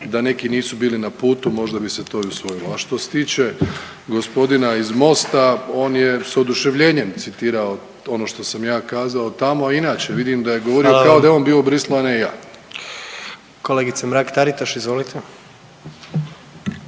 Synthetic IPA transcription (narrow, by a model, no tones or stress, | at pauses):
d̪ane̞kiniːsubiːlinapuːt̪umo̞ʒd̪abise̞t̪o̞iusʋo̞jiloaʃt̪o̞se̥t̪iːt͡ɕe̞ | ɡo̞spo̞d̪inaizmo̞st̪ao̞ːnjesod̪uʃe̞ʋʎe̞ːɲe̞mt̪sit̪iːɾao̞ | o̞no̞ʃt̪o̞samjaːkaːzaot̪amoainaːt͡ɕe̞ʋid̪imd̪aje̞ɡoʋo̞ɾiokaod̪ajeonbiːobɾislˠoaneijaː | koleːɡit̪semɾakt̪aɾit̪aʃizʋolit̪ʰe